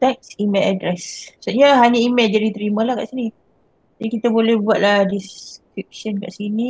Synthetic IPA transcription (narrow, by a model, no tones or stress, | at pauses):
t̪ɛk̚simeladɾɛssuʔɲəɦaɲəimeld͡ʒaɾit̪əɾimalahka̰ʔsini | d͡ʒadikit̪abolɛhbuat̪̚lahdiskɾik̚ʃənka̰ʔsini